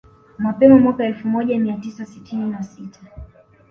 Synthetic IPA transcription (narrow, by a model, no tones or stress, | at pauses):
mapɛmɔmwakaɛlfumɔʄamiatisasitininasitʰa